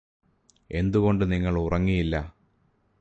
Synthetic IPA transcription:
e̞nd̪uɣo̞ɳɖɨniŋːɐɭurɐŋːijilːɐ

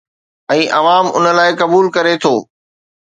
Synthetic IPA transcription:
ɛ̃ːʔɐʋaːmʊ̰nə̆laːɪkɐbuːlkɐɾet̪ʰoː

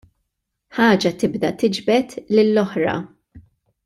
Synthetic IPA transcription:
ħɐːd͡ʒɐt̪ɪbd̪ɐt̪ɪd͡ʒbɛt̪lɪlːɔħɾɐ̰

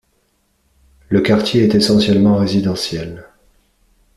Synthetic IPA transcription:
ləkaʁt̪jeɛt̪esɑ̃sjɛlmɑ̃ʁezid̪ɑ̃sjɛl

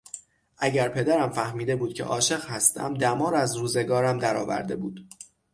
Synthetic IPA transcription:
ʔæɟæɾpʰe̞d̪æɾæmfæhmiːd̪e̞buːd̪̚cʲʰe̞̰ʔɒːʃe̞ɣhæst̪ʰæ̰md̪æmɒːɾæzɾuːze̞ɡɒːɾæmd̪æɾɒːvæ̰ɾd̪e̞̰buːd̪̥

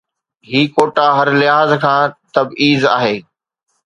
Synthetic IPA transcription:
ɦiːkoːʈaɦɐɾlɪɦaːzkʰãːt̪ɐbiːza̰ːɦeː

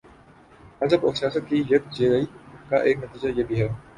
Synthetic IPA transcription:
ɐzəbɔːsijaːsət̪̚kijɐk̚d͡ʒeːɾɐikaʔeːknɐt̪iːd͡ʒajeːbʱiɦɛː

